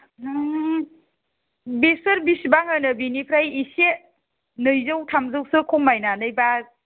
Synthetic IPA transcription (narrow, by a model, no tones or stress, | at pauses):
besɯɾbisibaŋɯnɯbinipʰɾajise | nɯjzɯwtʰamzɯwsɯkʰɔŋmajnanɯjba